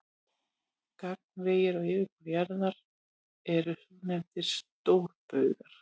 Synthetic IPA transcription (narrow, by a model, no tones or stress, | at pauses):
kak̚nɾeːjɪɾɔɣɪːɾɪkʏɾjaɾðaɾ | ɛɾʏhuːnɛmt̪ɪɾ̥st̪owɾpœɥɣaɾ̥